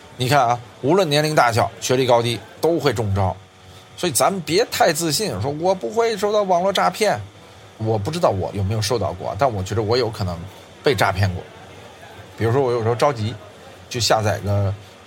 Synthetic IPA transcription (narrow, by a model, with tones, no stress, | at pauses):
ni˨˩kʰa˥˩nɐ˧ | u˧˥lwə˥˩njɛ˧˥nli˧˥ŋt̪a˥˩ɕjɑ˨˩˦ʊɕɥɛ˧˥li˧˩kɑ˥ʊt̪i˥t̪o˥ʊxwe˥˧ɪʈ͡ʂʊ˥˩ŋʈ͡ʂɑ˥ʊ | swɔ˧˥i˨˩t͡sa˧˥mə˨npjɛ˧˥t̪ʰa˥˧ɪt͡sɹ̩˥˧ɕi˥˩nʂwɔ˥wɔ˨˩pu˧˥xwe˥˧ɪʂ̬o˥˧ʊt̪ɑ˥˩ʊwɑ˨˩ŋlwɔ˥˧ʈ͡ʂa˥˧pʰjɛ˥˩n | wɔ˨˩p̬u˥˩ʈ͡ʂɻ̩˥t̪ɑ˥˩ʊwɔ̰˧˩jo˨˩ʊme˧˥ɪjʂo˥˧ʊt̪ɑ̰˥˧ʊkwɔ̰˥˩˨t̪a˥˩nwɔ˨˩t͡ɕɥɛ˧˥d̪ə˧wɔ˧˥jo˧˥ʊkʰɤ˨˩nɤ˧˥ŋ | pe˥˧ɪʈ͡ʂa̰˥˧pʰjɛ˥˩nkwɔ̰˥˩ | pi˨˩ɻu˥ʂ̬wɔ˥wɔ˧˥jo˨˩˥ʈ͡ʂɑ˥ʊt͡ɕi˧˥ | t͡ɕʰɕja˥˧t͡sa˥˩ɪḭ˧˥ɡə˧